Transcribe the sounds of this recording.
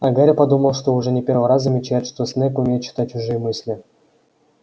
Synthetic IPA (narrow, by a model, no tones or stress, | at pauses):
aɡaɾʲɘpɑd̪uməlˠʂt̪ouʐɛnʲepʲervəɾɑzzamʲet͡ɕæjt̪ʂt̪osʲnʲekumʲejt̪ɕi̥t̪at͡ɕuʐɨjmɨsʲlʲɘ̆